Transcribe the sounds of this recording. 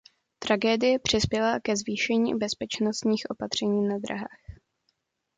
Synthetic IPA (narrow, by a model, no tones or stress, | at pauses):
t̪ɾaɡɛːdɪjɛpr̝̥ɪspjɛlakɛzviːʃɛɲḭːbɛspɛt͡ʃnost̪ɲiːxʔo̞pat̪r̝̥ɛɲiːnad̪ɾa̰ɦaːx